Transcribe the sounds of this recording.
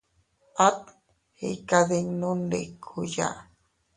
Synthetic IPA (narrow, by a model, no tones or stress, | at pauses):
at̪̚ | hḛkaðeŋnundekʰuja̰